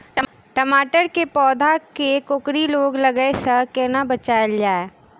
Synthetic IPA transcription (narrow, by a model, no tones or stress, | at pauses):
ʈɐmaːʈəɾkepɔːd̪ʱakekʊkɾiloːɡlɐɡəesɐkenabɐt͡ʃaːəld͡ʒaːe